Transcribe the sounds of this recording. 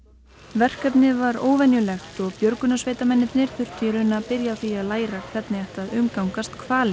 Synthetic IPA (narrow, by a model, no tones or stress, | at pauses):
vɛr̥kɛpnɪvaɾoːwvɛnjʏlɛxt̪ɔɣpjœɾkʏnasveːjt̪amɛnːɪt̪nɪɾ̥θʏr̥t̪ʰiɾʏnapɪɾjaθialaːjɾakʰvɛt̪nɪɛht̪aðʏmkawŋkast̪kʰvaːlɪ